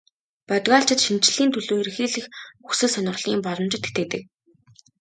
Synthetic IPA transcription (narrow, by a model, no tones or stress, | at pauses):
pœt̪ɣɔːɬt͡ɕɪ̆t̪ʃint͡ɕ̆ɮiːnt̪ʰɵɮoːɾixeːɮɘ̆xuxsɘ̆ɮsœnʲə̆rɮ̥iːmpɔɮɞ̆mt͡ɕɪ̆t̪xe̥t̪ɘ̆t̪ɘ̆k̚